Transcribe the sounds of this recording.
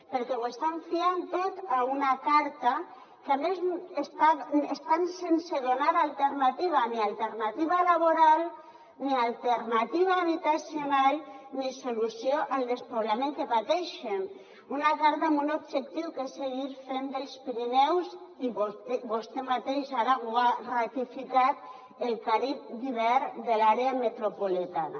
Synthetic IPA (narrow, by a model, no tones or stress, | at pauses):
peɾkɛwest̪aɱfiant̪ot̪aunakaɾt̪a | kamezest̪aest̪ansenseðonaɾalt̪eɾnat̪iβ̞anialˠt̪eɾnat̪iβ̞alaβ̞oɾalˠ | nialˠt̪eɾnat̪iβaːβit̪asjonalnisolusjoʔald̪espoβlamẽŋkepat̪ɛʃem | unat̪aɾt̪aambunobʒek̚t̪iwkeseɣiɾfend̪elspiɾinɛwsiβoβost̪emat̪eʃaɾawarat̪ifikat̪ | elkaɾip̚d̪iβɛɾd̪elaɾeamet̪ɾopolit̪ana